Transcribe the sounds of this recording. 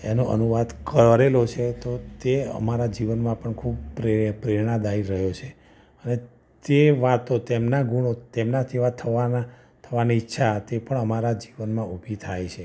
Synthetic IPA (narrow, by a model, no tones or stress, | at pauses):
enoʔə̰nuʋad̪kəɾelot͡ʃʰet̪ot̪eə̰maɾad͡ʒiʋənmãpəɳkʰub̚pɾepɾeɾɳ̃ad̪aiɾəɦjot͡ʃʰe | əne | t̪eʋat̪ot̪emnaɡuɽ̃ot̪emnat̪ʰiʋat̪ʰːəʋana | t̪ʰəʋaniːtːʃʰat̪epəɳəmaɾad͡ʒiʋənmãubʱit̪ʰajt͡ʃʰe